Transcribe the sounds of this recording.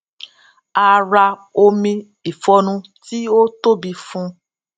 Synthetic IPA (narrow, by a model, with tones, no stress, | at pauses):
a˧ɾa˧o˧mĩ˧ | i˨fɔ˧nũ˧ti˦o˦to˦bi˧fũ˦